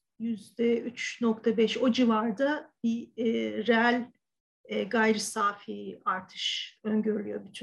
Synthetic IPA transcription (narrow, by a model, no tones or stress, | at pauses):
jyzd̪ɛyt͡ʃnokt̪ʰabɛʃo̞d͡ʒivaɾd̪abiːɾeælʲ | ɛɡajɾɯsaːfijiaɾt̪ʰɯ̥ʃøɲɟøɾylʲyjo̞bit͡ʃʰ